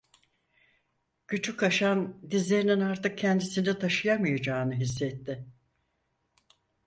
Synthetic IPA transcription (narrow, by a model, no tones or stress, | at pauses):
cyt͡ʃʰykʰaʃand̪izlʲe̞ɾininaɾt̪ɯk̚cʰɛnd̪isind̪ɛt̪ʰaʃɯjamɯjad͡ʒaːnɯɦis̬ːɛt̪ːɪ